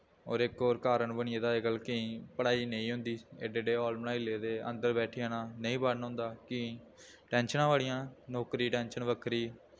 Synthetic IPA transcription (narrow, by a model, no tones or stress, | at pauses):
oːɾɪkoːɾkaːɾəɳbəɳɪeːd̪aːeɡəlkəĩːpəɽaːiːnəĩːɦʊ̃nd̪iːeːɖeːɖeːɔːlmnãːɪleːd̪eːʔə̰nd̪əɾbɛːʈʰɪaːnãːnəĩːbəːnɦõːnd̪aːkɪ | ʈɛːnʃənãːʋaːɽɪjãːnoːkɾiːʈɛ̃ːnʃənʋəkʰɾiː